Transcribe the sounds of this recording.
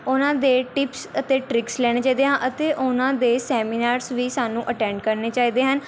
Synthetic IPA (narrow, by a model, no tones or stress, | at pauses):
ʊnãːd̪eːʈɪpsət̪eːʈɾɪkslɛːɽ̃eːt͡ʃaːiːd̪eːɦãːʔət̪eːʔʊnãːd̪eːsɛːmiːnaːɾsʋiːsaːnũːʔəʈɛ̃ːɳɖkəɾneːt͡ʃaːiːd̪eːɦən